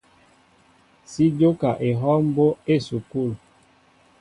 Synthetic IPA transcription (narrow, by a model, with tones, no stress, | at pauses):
si˦d͡ʒo˦ka˨ʔe˨ɦɔ˦m˦bo˦e˦su˨ku˦˨l